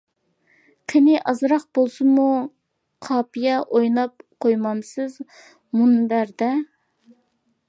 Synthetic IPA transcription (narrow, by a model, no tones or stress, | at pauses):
kʲʰɪnɪʔɑzɾɑq̚bolˠsɨmu | qʰɑːpijɑʔojnɑp̚qʰojmɑmsɨz | munbæɾd̪ɛ